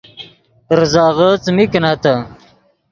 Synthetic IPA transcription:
ɾzɑːɣət͡smiknat̪a

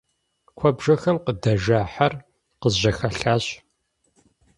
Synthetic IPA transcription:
kʷʰɔbʒɐxɐmqədɐʒaːħar | qəzʑɐxɐɬaːɕ

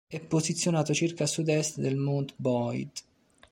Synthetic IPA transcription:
ɛpːozit̪sːjonaːt̪ot͡ʃirkasud̪ɛst̪d̪elmont̪bɔjd̪

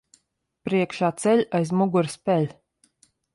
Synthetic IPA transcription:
pɾiɛkʃaːt̪sɛlʲajzmuɡuɾspʲɛlʲ

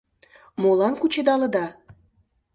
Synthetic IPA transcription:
molɑnkut͡ɕed̪ɑlə̆d̪ɑ

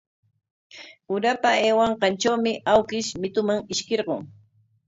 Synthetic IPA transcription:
ʊɾapaeːwɑɴqɑnt͡ʃawmɪʔawkɪʃmɪt̪ʊmaŋɪʃkeɾɢoŋ

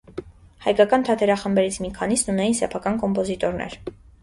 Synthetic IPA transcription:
hɑjkɑkɑnt̪ʰɑt̪ʰɛɾɑχəmbɛɾit͡sʰmikʰɑnisnunɛjinsɛpʰɑkɑnkɔmpɔzit̪ɔɾnɛ̰ɾ

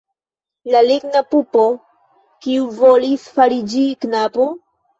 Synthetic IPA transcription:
laliɡnapupo | kiuvolisfaɾid͡ʒiknapo

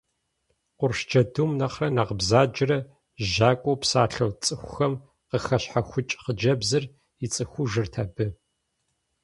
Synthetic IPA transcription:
qʷʊrʃd͡ʒɐdumnɐχrɐnaʁəbzaːd͡ʒrɐ | ʒaːkʷʼowpsaːɬɐwt͡sʼɨxʷʊxɐm | qəxɐɕħaxʷʊt͡ʃʼqəd͡ʒɐbzɨr | it͡sʼɨxʷuʒɨrtʰaːbɨ

